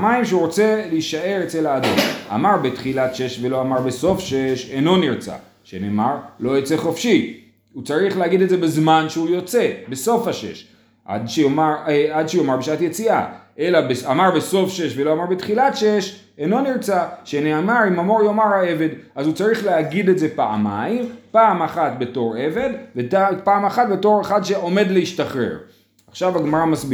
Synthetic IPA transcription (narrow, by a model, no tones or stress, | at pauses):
amaimʃeuʁot͡se̞liiʃaʔe̞ʁet͡selaːd̪o̰ma̰maʁbet̪χilat̪ʃe̞ʃve̞lo̞amaʁbeso̞fʃeʃeno̞niʁt͡sa̰ | ʃenḛːmaʁlo̞jet͡se̞χo̞fʃi | ut͡saʁiχlehaɡid̪etze̞bezmanʃeujo̞t͡se̞beso̞fhaʃḛʃ | ʔa̰dʃeomaad̪ʃeujomaʁbeʃaat̪jet͡sia̰ʔe̞labeamaʁbeso̞fʃe̞ʃvelo̞amaʁbet̪χilatʃe̞ʃ | eno̞niʁt͡saʃeneamaʁimamo̞ʁjo̞maʁhae̞ve̞dazut͡saʁiχleaɡid̪e̞tze̞paa̰ma̰impaːmaχat̪be̞to̞ʁe̞ve̞dvepaːmaχat̪̚be̞to̞ʁeχad̪ʃe̞ʔo̞me̞d̪leiʃtaχʁḛʁ | aχʃavaɡmaʁamasb